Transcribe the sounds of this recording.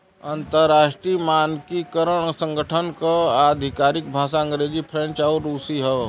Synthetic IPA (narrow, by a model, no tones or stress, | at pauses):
ɐ̃nt̪əɾaːʃʈɾimaːnkikəɾəɽ̃sə̃ŋɡəʈʰənkaaːd̪ʱɪkaːɾɪk̚bʱaːsaɐ̃ŋɡɾeːd͡ʒipʰɾẽnt͡ʃaːɾːuːsiɦɛ